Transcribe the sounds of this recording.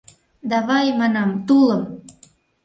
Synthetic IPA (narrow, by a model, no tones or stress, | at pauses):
d̪ɑβɑjmɑnɑmt̪uləm